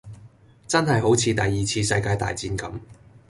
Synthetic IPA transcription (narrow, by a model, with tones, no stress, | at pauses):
t͡sɐ˥nɦɐ˨jɦo˨˥wt͡sʰiː˧t̪ɐ˨jːiː˨t͡sʰiː˧sɐ˧jkaː˧jt̪a̰ː˨jt͡siː˧nkɐ˨˥m